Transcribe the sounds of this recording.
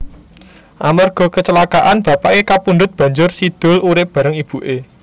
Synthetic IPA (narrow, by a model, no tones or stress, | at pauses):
ʔamarɡ̥ɔ̤kət͡ʃəlakaʔanb̥a̤paʔekapund̪ʊt̪̚b̥ä̤ɲd͡ʒʊrsid̪̥ʊ̤luɾɪp̚b̥ä̤ɾəŋib̥ṳʔe